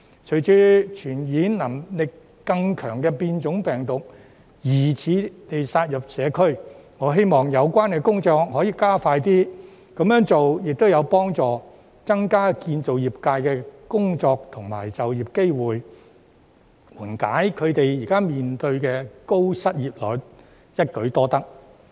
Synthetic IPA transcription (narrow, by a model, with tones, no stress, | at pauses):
t͡ʃʰɵ˨˩jt͡ʃyː˧˥t͡ʃʰyː˨˩njiː˨˥nnɐ˨˩mlɪ˨kː | ɐ˧ŋkʰœː˨˩ŋkɛ˧piː˧nt͡ʃʊ˨˥ŋpɛː˨ŋt̪ʊ˨k̚ | jiː˨˩t͡sʰiː˨˧ne˨jsaː˧t̚jɐ˨p̚sɛː˨˧kʰɵ˥ɥŋɔː˨˧ɦe˥jmɔː˨ŋjɐ˨˧wkʷaː˥nkɛ˧kʊ˥ŋt͡sɔː˧k̚hɔː˨˥jiː˨˧kaː˥faː˧jt̪iː˥ | kɐ˨˥mjœː˨˥ŋt͡so˨wjɪ˨k̚t̪o˥wjɐ˨˧wpɔː˥ŋt͡sɔː˨ | t͡sɐ˥ŋkaː˥kiː˧nt͡so˨wjiː˨p̚kaː˧jkɛː˧kʊ˥ŋt͡sɔː˧k̚t̪ʰʊ˨˩ŋma̰ː˨˩jt͡sɐ˨wjiː˨p̚ke˥jwuː˨j | wuː˨˩nka̰ː˨˥jkʰɵ˨˧ɥt̪e˨jjiː˨˩kaː˥miː˨nt̪ɵ˧ɥkɛː˧ko˥wsɐ˥t̚jiː˨p̚lɔː˨˥j | jɐ˥t̚kɵ˨˥ɥt̪ɔː˥t̪ɐ˥k̚